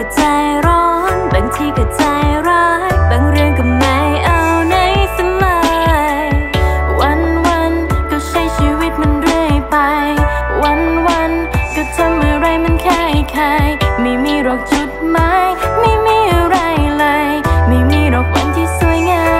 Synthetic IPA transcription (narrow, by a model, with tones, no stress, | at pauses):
t͡ɕaː˧jɾɔː˧˦˥nbaː˨˩ŋt̪ʰiː˧ka˨˩t͡ɕaː˧jɾɔː˧˥ta˨˩ŋɾɯ˧əŋka˨˩mna˨˧˥jʔa˧wna˧˥jt̪a˧ŋla˧jwa˧˥nwa˧nkɔː˧˩t͡ɕʰa˧˥jt͡ɕʰiː˧wi˦˧˥t̪̚ma˧˥nɾɯ˧˩əjpa˧jwa˧˥nwa˧˥nkɔː˧˩t̪ʰa˧ŋʔa˨˩ɾa˧˩jma˧˥nkʰa˧˩jkʰa˧˥jma˧˩jmiː˧ɾɔː˨˩k̚t͡ɕu˧˩t̪̚ma˧˥jma˥˩jmiː˧˩˧ɾa˧˩jlɤː˧jma˧˩jmiː˧˩ɾɔː˨˩k̚wa˧˥nt̪ʰiː˧su˧˩əjŋaː˧˥